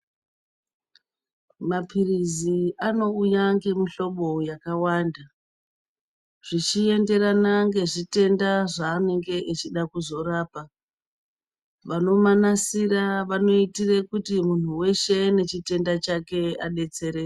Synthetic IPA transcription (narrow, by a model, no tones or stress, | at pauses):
mapiriziano̞ujaŋɡe̞miɬo̞ɓo̞jakawaːnda | ʐ̥it͡ʃie̞nde̞ɾanaŋɡe̞ʐite̞ndaʐaːne̞ŋɡe̞ʔet͡ʃiɗakuzo̞raːpa | ʋano̞manasiɾaʋano̞itire̞kutimun̤uwe̞ʃe̞ne̞t͡ʃite̞ndat͡ʃake̞aɗe̞t͡se̞ɾe